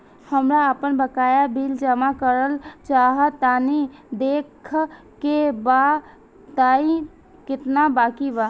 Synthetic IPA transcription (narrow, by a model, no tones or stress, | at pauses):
həmɾaəpənbəkajabʱild͡ʒəmakəɾəlt͡ʃaɦət̪ːanid̪ekʰ | keba | t̪aĩ | kɪt̪nabakiba